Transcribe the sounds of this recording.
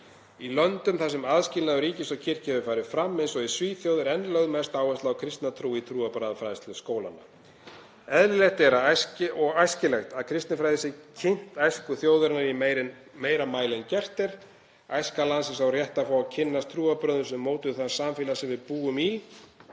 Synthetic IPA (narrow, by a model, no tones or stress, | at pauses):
ilœnt̪ʏmθasɛmaðscɪlnaʏɾiːcɪsɔwcʰɪr̥cɪɛvʏfaːjɾɪfɾamːɪnsɔɣɛ̥sviːθjoːwðɪɾɛnːlœɣðmɛst̪aːwɛst̪laawkʰɾɪst̪nat̪ʰɾuːit̪ʰɾuːapɾaːðafɾaːjðɪst̪lʏskoːwla̰nːa̰ | ɛðlɪlɛxt̪ɛɾasɔɣajscɪlɛxt̪aðkʰɾɪst̪nɪfɾaːjðɪsɪcʰɪn̥t̪ajskʏθjoːwðʏɾɪnaɾiɾ | meːjɾamaːjlɛncɛr̥t̪ɛɾ̥ | ajskalansɪs̬awrjɛht̪afaːwacʰɪnːast̪ʰɾuːapɾœːðʏnsʏmːoːwt̪ʏθaðsaːmfɪːlasɛmvɪðpuːɣʏmil